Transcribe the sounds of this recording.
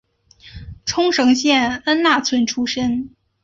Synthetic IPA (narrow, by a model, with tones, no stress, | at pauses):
ʈ͡ʂʰʊ˥ŋʂɤ˧˥ŋɕjɛ˥˩nə˥nna˥˩t͡sʰwə˧˥nʈ͡ʂʰu˥ʂə˥n